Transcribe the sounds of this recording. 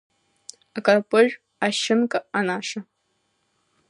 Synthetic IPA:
akʼarpʼɨʒᶣ | aʃɪmkʼaanaːʂa

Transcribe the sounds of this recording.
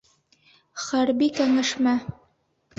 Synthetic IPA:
χæɾbikæŋæʃmæ

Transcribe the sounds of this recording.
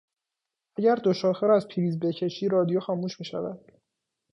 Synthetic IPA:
ʔæɟæɾd̪oʃɒːxeɾæzpʰiːɾiːzbe̞cʰe̞ʃiːɾɒːd̪ijoxɒːmuːʃmiːʃæ̰væd̪̥

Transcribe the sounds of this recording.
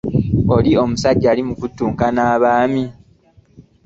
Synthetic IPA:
o̞lio̞musaɟːaːlimukutːuːŋkanaːβaːmi

